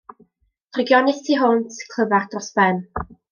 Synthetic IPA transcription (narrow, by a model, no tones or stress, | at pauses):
d̥rɪɡjɔnɪθtʰiɦʊntʰkʰl̥ˠəvard̥rɔsbɛn